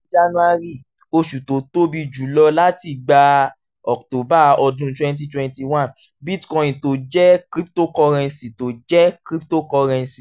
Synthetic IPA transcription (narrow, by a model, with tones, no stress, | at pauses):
d͡ʒa˦nũ˦a˧ɾi˦˨ | o˧ʃu˨to˨˦to˦bi˧d͡ʒu˨˦lɔ˧la˦ti˨ɡ͡ba˧ | ɔ˨kto˨˦ba˦ɔ˧dũ˧˦twɛ̃˦nt̬i˦twɛ̃˧nti˨wã˦˨n | bi˦tkɔ̃˧jĩ˨to˨˦d͡ʒɛ˦kɾi˦pto˦kɔ˧ɾɛ̃˧nsi˨to˨d͡ʒɛ˦kɾi˦pto˦kɔ˧ɾɛ̃˧nsi˨